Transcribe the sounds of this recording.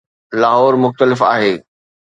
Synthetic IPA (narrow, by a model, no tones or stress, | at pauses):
laːɦɔːɾmʊxt̪əlɪfa̰ːɦeː